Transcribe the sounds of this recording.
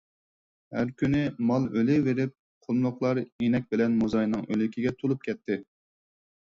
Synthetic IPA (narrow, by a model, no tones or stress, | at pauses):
hæɾkʲynɪmɑlˠølɪveɾɪp̚ | qʰolˠmlˠʊqlˠɑɾenɛk̚ʲbɪlɛnmuzɑjnɨŋʔølykʲʰiɡʲɛt̪ʰolˠup̚kʲʰɛt̪ʰːɪ